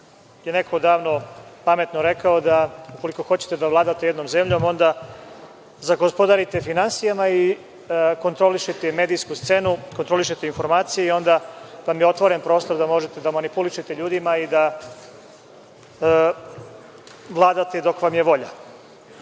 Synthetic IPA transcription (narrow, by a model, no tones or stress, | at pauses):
jene̞kʰo̞d̪aːʋno̞pame̞t̪noɾe̞kaod̪auko̞liko̞xo̞t͡ɕe̥t̪ed̪aʋlˠaːd̪at̪e̞je̞d̪no̞mze̞mʎo̞ːmo̞nd̪a | zaɡospo̞d̪aɾit̪e̞finansijamai | ko̞nt̪ɾo̞liʃet̪eme̞ːd̪ijskust̪se̞nukont̪ɾo̞liʃ̬et̪e̞info̞ɾmaːt̪sijeio̞nd̪aʋamjeo̞t̪ʋoɾenpɾo̞ːst̪o̞ɾd̪amo̞ʒet̪e̞d̪amanipuliʃet̪e̞ʎuːd̪imaid̪a | ʋlˠaːd̪at̪ed̪o̞kʋamjeʋo̞ʎa̰